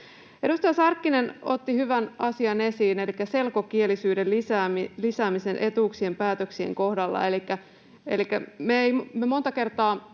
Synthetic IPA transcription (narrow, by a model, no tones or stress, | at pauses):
ʔedust̪ɑjɑsɑrkːinenot̪ːihyʋænʔɑsiɑne̞siːne̞likːæse̞lkokielisyːdelisæːmilisæːmise̞nʔe̞t̪uksie̞mpæːt̪øksiḛŋkohdɑlːɑ̰e̞likːæ | elikːæmeeimmemo̞nt̪ɑke̞rt̪ɑː